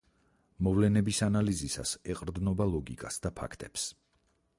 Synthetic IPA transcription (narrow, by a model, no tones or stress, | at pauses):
mɔvlɛnɛbisanalizisa̰sɛqʼɾd̪nɔbalˠɔɡḭkʼasd̪apʰa̰kʰt̪ʼɛps